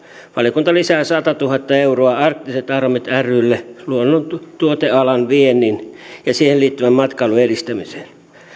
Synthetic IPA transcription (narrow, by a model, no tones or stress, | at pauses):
ʋɑljokunt̪ɑlisæːsɑt̪ɑt̪uhɑt̪ːɑeuroɑɑrk̚t̪iset̪ɑrmet̪ærˑylːeluonːont̪uot̪eɑlɑnʋienːˑinjɑsiːheliːt̪ːyʋæmmɑt̪kɑiluerist̪æmise̥ːn